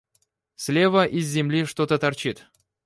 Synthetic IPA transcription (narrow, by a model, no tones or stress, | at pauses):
sʲlʲevəʔizʲːɪmlʲiʂt̪ot̪ət̪art͡ɕit̪